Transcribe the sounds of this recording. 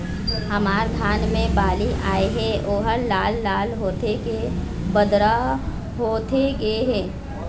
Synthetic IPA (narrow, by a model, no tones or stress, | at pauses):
hɐmaːɾd̪ʱaːnmẽbaːliʔaːeɦɛʔoːɦəɾlaːlːaːlɦoːt̪eke | bəd̪ɾa | ɦoːt̪ʰeɡɐeɦɛː